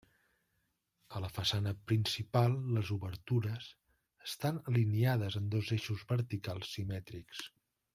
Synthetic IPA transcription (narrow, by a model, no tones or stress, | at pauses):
ələfəsanəpɾinsipalˠlːəzuβəɾt̪uɾəs | əst̪anəliniaðəzənd̪ozeʃuzβəɾt̪ikalˠsːimɛt̪ɾiks